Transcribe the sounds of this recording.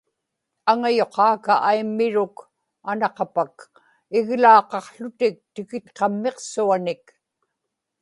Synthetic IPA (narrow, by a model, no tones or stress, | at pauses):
aŋajo̞qʰɑːkaʔajmːɪɻʊk | anɑqɑpak | ɪɣlɑːqɑqɬʊt̪ɪk̚t̪ɪkɪt̪qɑmːeqsuanɪk